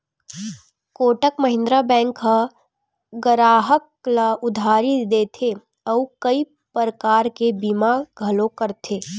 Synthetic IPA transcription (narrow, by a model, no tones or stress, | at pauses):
koːʈəkməɦɪ̃nd̪ɾabɛ̃ːŋka | ɡəɾaːɦək | laʔʊd̪ʱaːɾid̪eːt̪ʰe | ɔukəi | pəɾəkaːɾkebimaɡʱɐlõkəɾt̪ʰeː